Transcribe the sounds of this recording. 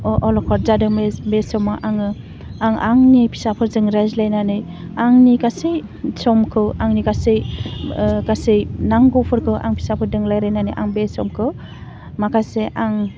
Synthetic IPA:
ɔʔɔlɔkʰɔɾzadɯmebesɔmaʔaŋɯ | aŋaŋnipʰi̥sapʰɯɾzɯŋɾazlajnanɯj | aŋnikasej | sɔmkʰɯwaŋnikasej | kasejnaŋɡɔpʰɯɾkʰɯwʔa̰ŋpʰi̥sapʰɯɾdɯŋlajɾajnanɯ̰jʔa̰ŋbesɔmkʰɯ | makʰaseʔaŋ

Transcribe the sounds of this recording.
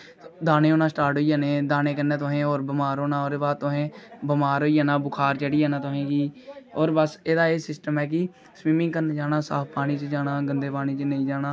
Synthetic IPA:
d̪aːneːoːnãːsʈaːɾʈɦoːiːjaːneːd̪aːneːkənːeːt̪ʊɦẽːoːɾbəmaːɾoːnãːoːɾeːbaːd̪̚t̪ʊɦẽːbəmaːɾɦoːiːaːnaːbʊkʰaːɾt͡ʃəɽiːaːnãːt̪ʊɦẽːɡiːoːɾbəseːd̪aːeːsɪsʈəmɛːk̬ɪ | sʋiːmɪ̃ŋɡkəɾnːd͡ʒaːnaːsa̰ːpʰpaːɽ̃iːt͡ʃd͡ʒaːnaːɡənd̪eːpaːɽ̃iːt͡ʃnəĩːd͡ʒaːnãː

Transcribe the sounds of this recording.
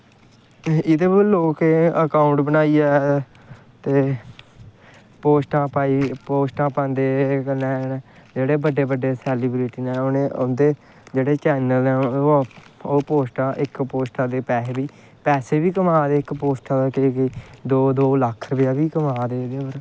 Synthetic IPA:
ɪd̪eːbəɾloːkeəkaːʊɳʈbənaːiːɛː | t̪eː | poːsʈãːpaːiːpoːsʈãːpãːnd̪eːkənɛ̃ːd͡ʒeːɽeːbəɖːeːbəɖeːsɛːliːbɾiːʈiːnɛːoneːond̪eː | d͡ʒeːɽeːt͡ʃɛːnəlnɛː | oːpoːsʈãːʔɪkpoːsʈãːd̪eːpɛːsbiː | pɛːseːbiːkəmaːd̪eːɪkpoːsʈaːd̪akɪkːd̪oːd̪oːlakʰɾəʋɪjaːbiːkəmaːd̪eːɪd̪eːbəɾ

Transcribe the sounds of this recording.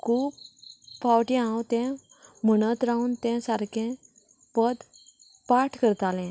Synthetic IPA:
kʰuːpfawʈĩãwt̪ɛ̃ | m̤əɽ̃ət̪ɾauːnt̪ɛ̃saɾkʰɛ̃ | pəd̪ | paʈʰkəɾt̪alɛ̃

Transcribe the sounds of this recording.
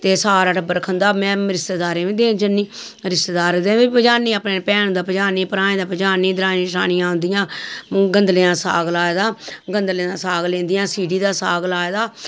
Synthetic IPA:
t̪eːsaːɾaːʈəbːəɾkʰənd̪aːmɛ̃ːɾɪst̪eːd̪aːɾeːʋẽːd̪eːnd͡ʒənːiː | ɾɪst̪eːd̪aːɾd̪eːbipəd͡ʒaːnĩːapneːpɛːnd̪aːpəd͡ʒaːniːpəɾaːẽːd̪aːpəd͡ʒaːnĩːd̪ɾaːnĩːʃa̰ːñɪjãːɦʊ̃nd̪ɪjãːɡənd̪lẽːãːsa̰ːɡlaːed̪aːɡənd̪leːãːsaːɡlẽːnd̪ɪjãːsiːɖiːd̪aːsaːɡlaːeːd̪aː

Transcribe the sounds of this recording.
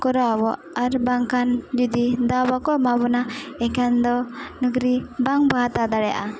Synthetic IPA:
kɔɾabɔʔaɾbaŋkand͡ʒɔd̪id̪abakɔmabɔnaɛkand̪ɔnəɡɾibaŋbaɦat̪ad̪aɽɛja̰ʔa

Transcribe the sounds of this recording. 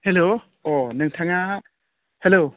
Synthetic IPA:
helo | ɔnɯŋtʰaŋa | helo

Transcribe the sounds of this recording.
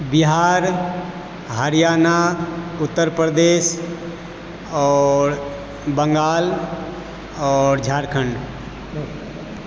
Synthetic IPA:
biɦaːɾ | ɦəɾijaːnaʊt̪ːəɾpɾəd̪es | ɔːɾ | bəŋɡaːl | ɔːɾd͡ʒʱaːɾkʰəɳɖ

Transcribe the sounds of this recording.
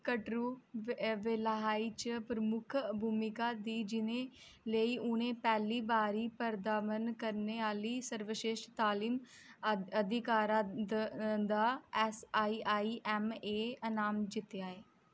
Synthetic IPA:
kəʈɾuːʋeləɦaːiːt͡ʃpɾəmʊkʰbʱuːmɪkaːd̪iːd͡ʒɪnẽː | ləiːʔʊnẽːpɛːliːbaːɾiːpəɾd̪aːʋənkəɾneːaːliːsəɾʋəʃeːʃʈt̪aːliːm | əd̪ɪkaːɾa | d̪aːɛsaːiːʔaːiːʔɛːmeːənaːmd͡ʒ̪ɪt̪jaːeː

